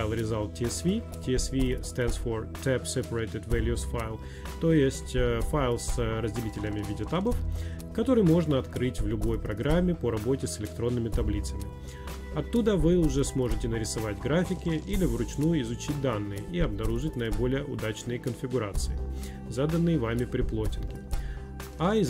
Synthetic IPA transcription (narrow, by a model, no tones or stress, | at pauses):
jlˠɾʲɪzalˠtʲɪsvʲi | tʲɪɛsvʲist̪ɛnsfort̪ɛpsʲɛpəɾət̪ʲɪt̪vʲelʲjusfajlˠ | t̪o̞ɪsʲtʲfajlˠsɾəzʲdʲɪlʲitʲɪlʲəmʲɪvʲidʲɪɐt̪abəf | kɐt̪o̞ɾɨjmo̞ʐnəɐt̪kɾɨtʲvlʲʊbo̞jpɾɐɡɾamʲːɪpəɾɐbo̞tʲɪsɪlʲɪkt̪ɾo̞nːɨmʲɪt̪ɐblʲit̪səmʲɪ | ɐt̪ːud̪əvɨʊʐɛsmo̞ʐɨtʲɪnəɾʲɪsɐvatʲɡɾafʲɪkʲɪʔilʲɪvɾʊt͡ɕnujʊɪzʊt͡ɕit̚ʲd̪anːɨjəʔiɐbnɐɾuʐɨtʲnəɪbo̞lʲɪjəʔʊd̪at͡ɕnɨjəkənfʲɪɡʊɾat̪sɨɪ | zad̪ənːɨjəvamʲɪpɾʲɪplˠotʲɪnkʲɪ | aɪ